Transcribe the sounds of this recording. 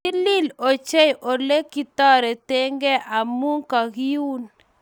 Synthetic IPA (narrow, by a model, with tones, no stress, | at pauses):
ɪ˦lɪ˦lo˨t͡ʃe˦jʔo˨le˦ki˨t̪ɔ˦ɾɛ˨te˦ŋɡe˦ʔa˨mu˦ŋka˨ɡi˦u˦n